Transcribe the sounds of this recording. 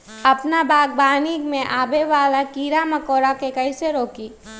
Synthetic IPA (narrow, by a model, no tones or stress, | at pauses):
ɐpnabaːɡ̚baːnikmẽʔaːbeʋaːlakiːɾamɐkoːɾakekɐiseɾoːkiː